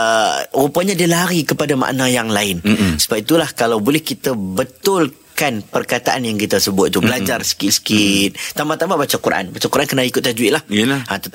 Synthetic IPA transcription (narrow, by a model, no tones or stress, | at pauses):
əɾupəɲãdiəlaɦaɾikəpadama̰ʔnãjaŋlaɪnsə̥bap̚it̪ulahkalawbolɛhkit̪əbət̪ʊl | kanpərkat̪aʔanjaŋkit̪əsəbʊt̪̚t̪ubəlad͡ʒarsə̥kɪsə̥kit̪̚t̪ambat̪ambabat͡ʃakuɾaʔa̰nbat͡ʃakuɾaʔankənaikʊt̪̚ad͡ʒuiʔlahãt̪ət̪